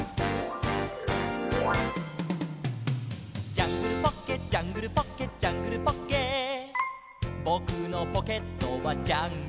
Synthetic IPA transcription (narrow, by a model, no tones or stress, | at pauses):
t͡ɕaŋkɯpɔkket͡ɕaŋɯɾpɔkket͡ɕaŋkɯpɔkke | bɔkʰɯːnɔpɔkʰet̪ːobat͡ɕaŋ